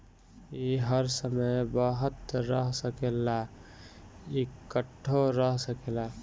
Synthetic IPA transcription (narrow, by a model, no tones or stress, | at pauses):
iɦəɾsəməjbəɦət̪ɾəɦsəkela | ikəʈʰːoɾəɦsəkela